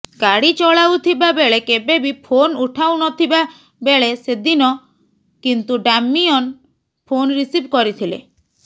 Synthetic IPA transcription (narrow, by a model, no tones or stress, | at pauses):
ɡaɽit͡ʃɔɭawt̪ʰibabeɭekebebipʰonuʈʰawnɔt̪ʰiba | beɭesed̪inɔ | kint̪uɖamːiɔn | pʰonɾisipkɔɾit̪ʰilḛ